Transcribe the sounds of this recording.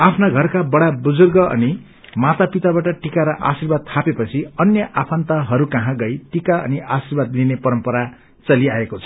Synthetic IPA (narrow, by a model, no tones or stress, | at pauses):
apʰnaɡʱʌrkabʌɽabud͡zurɡʌʔʌ̰ni | mat̪apit̪abaʈʌʈikaɾʌʔa̰sirbad̪̚t̪ʰapepʌt͡sʰiʌnjʌʔapʰant̪ʌɦʌɾukʌɦãɡʌjʈikaʌ̰niʔasirbad̪linepʌɾʌmpʌɾa | t͡sʌliaekot͡sʰʌ̥